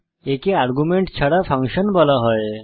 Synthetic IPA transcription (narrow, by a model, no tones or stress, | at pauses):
ekeaɾɡumeɳʈt͡ɕʰaɽafə̃ŋkɕənbəlaɦɔj